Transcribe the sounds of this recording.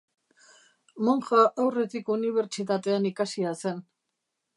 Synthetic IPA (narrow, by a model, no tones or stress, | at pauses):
moŋxaʔawre̞t̪ikuniβ̞e̞ɾt͡ʃit̪at̪e̞anikasiase̞n